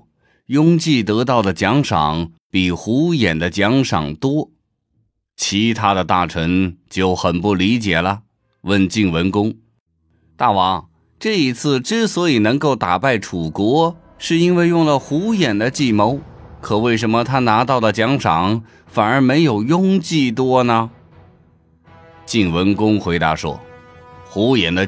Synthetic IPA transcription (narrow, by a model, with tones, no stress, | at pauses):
jʊ˥ŋt͡ɕi˥˩t̪ɤ˧˥t̪̬ɑ˥˩ʊd̪ə˩t͡ɕjɑ˧˥ŋʂɑ̰˨˩˦ŋ | pi˨˩xu˧˥jɛ˨˩nd̪ə˦t͡ɕjɑ˧˥ŋʂɑ̰˨˩ŋt̪wɔ˥ | t͡ɕʰi˧˥t̪ʰa˥d̪ə˨t̪a̰˥˩ʈ͡ʂʰə˧˥ŋt͡ɕjo˥˩ʊxə˨˩npu˥˩li˧˥t͡ɕjɛ˨˩lə˦ | wə˥˧nt͡ɕi˥˩ŋwə˧˥nkʊ˥ŋ | t̪a˥˩wɑ˧˥ŋ | ʈ͡ʂɤ˥˩i˧˥t͡sʰɹ̩˥˧ʈ͡ʂɻ̩˥swɔ˧˥i˨˩nɤ˧˥ŋko˥˩ʊt̪a˨˩pa˥˩ɪʈ͡ʂʰu˨˩kwɔ˧˥ | ʂɻ̩˥˧i˥nwe˥˧ɪjʊ˥˩ŋlə˩xu˧˥jɛ˨˩nd̪ə˦t͡ɕi˥˩mo˧˥ʊkʰɤ˨˩we˥˩ɪʂ̬ə˧˥nmə˧t̪ʰa˥na˧˥t̪ɑ˥˩ʊd̪ə˩t͡ɕjɑ˧˥ŋʂʰɑ˨˩˦ŋ | fa˨˩nə˞˧˥me˧˥ɪjo˨˩ʊjʊ˥ŋt͡ɕi˥˩t̪wɔ˥nə˨ | t͡ɕi˥˩ŋwə˧˥nkʊ˥ŋxwe˧˥ɪt̪a˧˥ʂwɔ̰˥xu˧˥jɛ˨˩nd̪ə˦